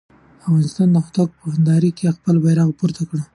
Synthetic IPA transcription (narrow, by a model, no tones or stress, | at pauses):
afɣɑnɪst̪ɑnd̪əxʊt̪ak̚pəhand̪ɑɾikexpəlbajɾɑɣpuɾt̪ʰakɽa